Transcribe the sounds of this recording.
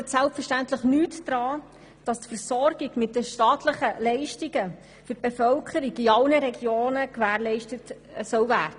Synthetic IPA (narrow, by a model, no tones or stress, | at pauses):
ɛtsælpfəʃtæntləχnyːtd̥ɾɑː | d̥ɑstfəɾsɔrɡiɡmɪtəʃtɑːtləχəlɛɪʃtiɡə | fʏɾ̚b̥efœlkʰəɾiɡiɑlnəɾɛɡjoːnəkʋæːɾlɛɪʃtət | sœwvæːrd̥ə